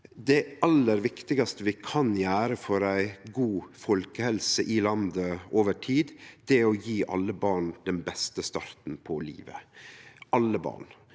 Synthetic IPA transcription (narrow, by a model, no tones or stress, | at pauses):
d̪ɛɑlːəɾʋɪkt̪ɪɡɑst̪əʋɪkʰɑnjæːɾəfɔɾæɪɡuːfɔlkəhɛlsəʔɪlɑnd̪əoːʋəʈʰiːd̪d̪̥ɛæɾɔjiːʔɑ̰lːəbɑːɳd̪̥ɛnbɛst̪əst̪ɑɾt̪n̩pʰɔlḭːʋə̰ | ʔɑlːəbɑ̰ːɳ